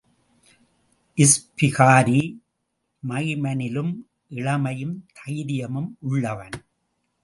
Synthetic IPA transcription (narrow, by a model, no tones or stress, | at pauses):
ʔɪspɪɣaːɾi | mɐɪmɐnɪlɯm | ʔɪɭɐmɐjɯmt̪ʰɐjɾɪjɐmɯmʔʊɭːɐʋɐn